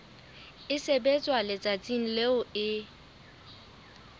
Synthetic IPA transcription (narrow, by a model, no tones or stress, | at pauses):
ɪsebet͡sʼwalɪt͡sʼat͡sʼiŋ̩leʊɪ